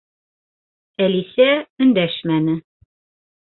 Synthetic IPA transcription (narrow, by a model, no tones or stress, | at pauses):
ælisæɵ̆nd̪æʃmænɘ